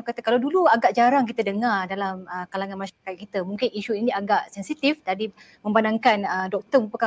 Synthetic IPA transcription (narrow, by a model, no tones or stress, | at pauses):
kat̪əkalawduluaɡaʔd͡ʒaɾaŋk̬it̪ədəŋardalaməkalaŋanmaʃaakat̪̚kit̪əmuŋkɪniʃuiniaɡaʔsɛnsit̪ifdadi | mə̃mbanaŋkanədɔk̚t̪əməpəka